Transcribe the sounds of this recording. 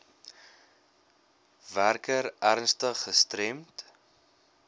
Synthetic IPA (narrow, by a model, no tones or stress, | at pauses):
værkəɾærnstəχːəstɾɛmt